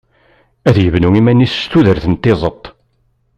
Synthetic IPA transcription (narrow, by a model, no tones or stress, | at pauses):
æðjəvnuŋimænːisst̪uðəɾθənt̪ːezˤət̪ˤː